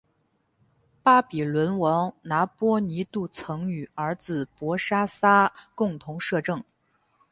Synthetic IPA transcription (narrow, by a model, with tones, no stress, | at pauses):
pa˥pi˨˩lwə˧˥nwɑ˧˥ŋna˧˥pwɔ˥ni˧˥t̪u˥˩t͡sʰɤ˧˥ŋy˨˩ə˞˧˥t͡sɹ̩˨˩pwɔ˧˥ʂa˥sa˥kʊ˥˩ŋt̪ʰʊ˧˥ŋʂɤ˥˧ʈ͡ʂɤ˥˩ŋ